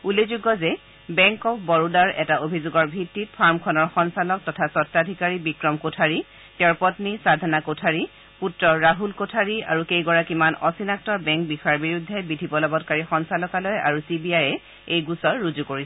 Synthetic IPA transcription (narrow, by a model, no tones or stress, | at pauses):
ulezuɡɔzɛ | bɛŋkɔpbɔɹudaɹɛtaʔobʱizuɡɔɹbʱitːit̚pʰaɹmkʰɔnɔɹxɔnsalɔk̚tɔtʰasɔtːadʱikaɹibikɹɔmkotʰaɹi | tɛɹpɔtnisadʱanakotʰaɹi | putɹɔɹaɦulkotʰaɹia̰ɹuxejɡɔɹakimanɔsinak̚tɔbɛŋk̚bixɔjaɹbiɹudʱːɛbidʱibɔlɔbɔtkaɹixɔnsalɔkalɔjaɹusibiajɛ | ejɡusɔɹːuzukoɹisɛ